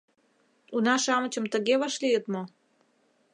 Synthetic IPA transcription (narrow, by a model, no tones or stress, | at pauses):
unɑʃɑmət͡ɕəmt̪ə̆ɣeβɑʃlijət̪mo